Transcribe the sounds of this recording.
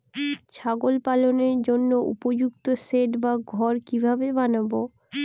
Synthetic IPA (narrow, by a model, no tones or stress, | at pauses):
t͡ɕʰaɡolpaloneɾd͡ʑonːoʔṵpod͡ʑukt̪oseʈbaɡʱɔɾkibʱabebanabo